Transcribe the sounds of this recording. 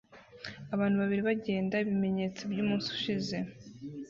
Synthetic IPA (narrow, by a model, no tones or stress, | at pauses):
aβaːn̥uβaβiɾiβaɟe̞ːndaiβime̞ɲet͡sibjuːmuːnsu̥ʃize̞